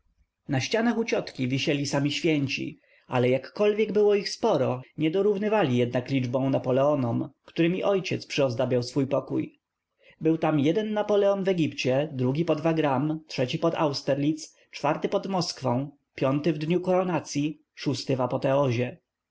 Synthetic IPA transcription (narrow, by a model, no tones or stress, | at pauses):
naɕt͡ɕanaxut͡ɕɔt̪kʲivʲiɕɛlʲisamʲiɕfʲjɛɲt͡ɕḭ | a̰lɛjakːɔlvʲjɛɡbɘwɔixspɔɾɔɲɛd̪ɔɾuvnɘvalʲijɛd̪̚naklʲid͡ʐbɔ̃w̃napɔlɛɔnɔmkt̪uɾɘmʲiʔɔjt͡ɕɛt̪spʂɘɔzd̪ɔbʲjawsfujpɔkṵj | bɘwt̪amjɛd̪ɛnːapɔlɛɔnvɛɡʲipt͡ɕɛd̪ɾuɡʲipɔd̪vaɡɾamtʂɛt͡ɕipɔd̪a̰wst̪ɛɾlʲit̪s | t͡ʂfaɾt̪ɘpɔd̪mɔskfɔ̃w̃ | pʲjɔnt̪ɘvd̪ɲukɔɾɔnat̪sʲji | ʂust̪ɘvapɔt̪ɛɔʑɛ